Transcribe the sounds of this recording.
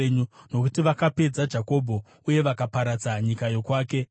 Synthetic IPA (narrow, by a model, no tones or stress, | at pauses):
ɲuno̞kutiʋakape̞d͡zad͡ʒako̞bʱo̞ | uje̞ʋakapaɾad͡zaɲikajo̞kwaːke̞